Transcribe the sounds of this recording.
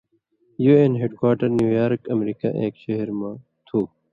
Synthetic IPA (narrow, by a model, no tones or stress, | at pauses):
juːenɦeɖkwaːʈəɾnjuːjaːɾkɐmɾiːka̰ʔeːkʃeɦɾmãː | t̪ʰoː